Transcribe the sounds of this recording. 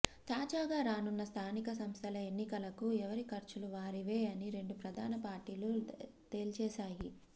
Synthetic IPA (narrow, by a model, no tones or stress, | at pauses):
t̪aːd͡ʒaːɡaːɾaːnunːɐst̪ʰaːnikɐsɐmst̪ʰɐlɐe̞nːikɐlɐkuɛʋɐɾikɐɾt͡ʃuluʋaːɾiʋeːɐniɾe̞ɳɖupɾɐd̪ʱaːnɐpaːɾʈiːlu | t̪e̞ːlt͡ʃɛːsaːji